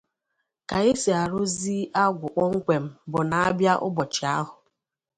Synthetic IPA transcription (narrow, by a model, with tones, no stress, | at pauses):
ka˨e˦si˨a˨ɾʊ˦zi˦a˦ɡʷʊ˨k͡pɔ˦ŋ̩˦kʷe˨m̩˦bʊ˨na˨a˦bja˦ʔʊ̰˦bɔ˨t͡ʃɪ˨a˦ɦʊ˨